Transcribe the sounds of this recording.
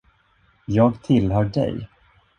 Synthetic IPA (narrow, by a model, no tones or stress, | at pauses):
jɑːɡt̪ʰɪlɦœːɖɛ̰j